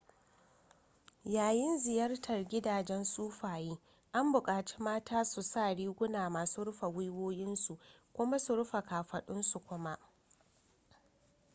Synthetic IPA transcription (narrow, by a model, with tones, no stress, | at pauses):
jaː˨jɪ˦nzɪ˨jɐ˦rtʰɐ˨rɡʲɪ˦daː˨d͡ʒɛ˦nsʼuː˦ɸaː˨jeː˦ | ʔa˦mbʊ˨kʼaː˨t͡ʃi̥ː˦maː˦taː˦su˨sa˦˨ɽiː˦ɡʷʊ˦naː˨maː˨suː˦ɽʊ˦ɸa˨wʊ˦jwoː˦jɪ˦nsu˨ʔ | kʷʊ˦ma˦su˨ɽʊ˦ɸa˨kaː˨ɸɐ˨ɗʊ˦nsu˨kʷʊ˦ma˦ʔ